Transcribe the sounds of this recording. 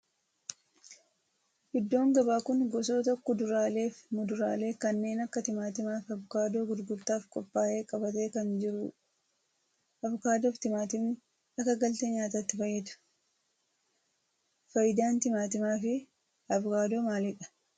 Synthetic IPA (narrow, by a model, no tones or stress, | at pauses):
hɪd̪ːo̞ːŋɡɐbaːkʊnɡɔs̬o̞ːt̪ɔkːɔd̪ʊɾaːle̞ːfmʊd̪ʊɾa̰ːle̞ːkɐnːe̞ːnɐkːɐt̪ɪmaːt̪ɪmaːfɐbʊkaːd̪o̞ːɡʊd̪ɡʊlt̪ːaːfkʼɔpːaːʔe̞ːkʼɐbɐt̪e̞ːkɐnd͡ʒɪɾʊ | ɐβʊkaːd̪oft̪ɪmaːt̪ɪm | ɐkːɐɡɐlt̪eːɲaːt̪aːt̪ːɪfɐjːɛd̪ɐ̥ | fɐjɪd̪aːnt̪ɪmaːt̪ɪmaːfɪ | ɐbʊkaːd̪o̞ːmaːlɪᶑɐ̥